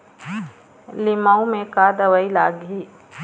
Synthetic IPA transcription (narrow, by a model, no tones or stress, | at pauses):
lɪmaũmẽkaːd̪əʋəilaːɡɦiː